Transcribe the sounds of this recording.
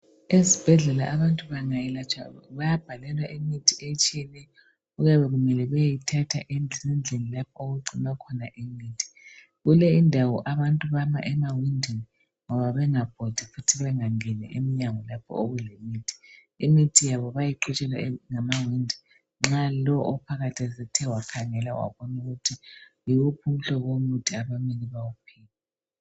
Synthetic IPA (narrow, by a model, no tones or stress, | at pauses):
ezib̥ʱɛɮɛla̰ʔaβantʼuβaŋajilat͡ʃʰʼa̰βajab̥ʱalɛlwaʔimitʰiet͡ʃʼɛnɛ | uɣaβɛɣumɛlɛβɛjitʰatʰa̰ʔinind͡ɮʱenilapʰɔoɣuǀinwakʰɔnaʔimiːtʰi̥ | ɣulɛindʱawɔʔaβantʼuβama̰ʔɛmawindʱini | ŋɔβaβɛŋab̥ʱod̥ʱifutʰiβɛŋaŋɛnɛ̰ʔemiɲaŋɔlapʰɔ̰oɣulemiːtʰi̥ | imitʰijaβɔβajiǃut͡ʃʼɛlaŋamawindʱi | ŋ͡ǁalɔʔɔpʰaɣatʰɛzɛtʰɛwakʰaŋɛlawa̰βɔnuɣutʰijiɣupʰum̩ɬɔɣomud̥ʱiaβaminiβawupʰiːla